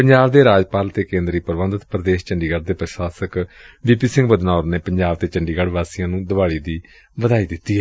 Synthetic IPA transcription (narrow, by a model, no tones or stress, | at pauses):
pəɲd͡ʒaːʋd̪eːɾaːd͡ʒpaːlt̪eːkẽːnd̪ɾiːpəɾʋə̃nd̪ət̪pɾəd̪eːʃt͡ʃəɳɖiːɡəɾd̪eːpɾəʃaːsəkbiːpiːsɪ̃ŋɡbəd̪naːʊɾneːpəɲd͡ʒaːʋt̪eːt͡ʃəɳɖiːɡəɽʋaːsijãːnũːd̪əʋaːɽiːd̪iː | ʋəd̪aːiːd̪ɪt̪ːiːɛ